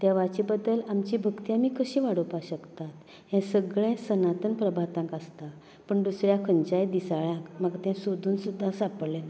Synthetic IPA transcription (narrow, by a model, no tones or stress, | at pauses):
t̪jaʋat͡ɕibəd̪ːəlamt͡ɕiːbʱəɡt̪ijamiːkəɕiːʋaɽupaɕəkt̪at̪ | ɦɛ̃səɡɭɛ̃sənat̪ənpɾəbʱat̪ãŋkast̪a | pəɳd̪usɾjakʰəɲt͡ɕajd̪isaɭãkmaɡt̪ɛ̃sod̪ʱuːnsud̪ʱːãsapəɽlena